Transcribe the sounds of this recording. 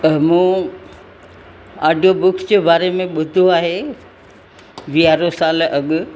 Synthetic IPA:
mũː | aːɖʱijobʊksd͡ʑeːbaːɾemẽɓʊd̪ʱoaːɦe | ʋiaːɾosaːlɐɠʊ̆

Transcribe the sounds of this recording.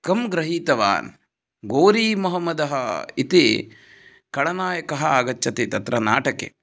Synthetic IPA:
kɐmɡɾɐɦiːt̪ɐʋa̰ːn | ɡoːɾiːmɐɦɐmːɐd̪ɐɦɐit̪i | kɐɭɐnaːjɐkɐɦɐaːɡɐt͡ʃːɐt̪et̪ɐt̪ɾɐnaːʈɐkḛ

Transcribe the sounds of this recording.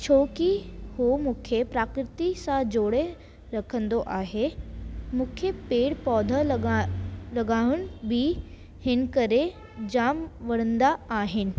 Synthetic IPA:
t͡ɕʰoːkihomũːkʰepɾaːkɾɪt̪isãd͡ʑoːɽe | ɾɐkʰə̃nd̪oʔaːɦe | mʊ̃kʰjəpeːɽpɔːd̪ʱə | lɐɡaːʋʊɽ̃̆bɪ | hɪn̆kɐɾe | d͡ʑaːmʋɐɽ̃ə̃nd̪aaːɦɪnɪ̆

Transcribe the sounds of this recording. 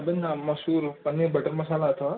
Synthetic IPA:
binːamɐsuɾənebəʈəɾməsalaət̪a

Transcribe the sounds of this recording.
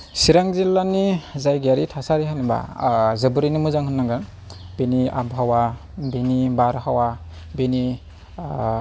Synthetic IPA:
siɾaŋzilːanizajɡaɾitʰasaɾiɦaniba̰zəbuɾinimɯzaŋhɯnːaŋɡan | benia̰bɦawa | binibaɾhawa | beni

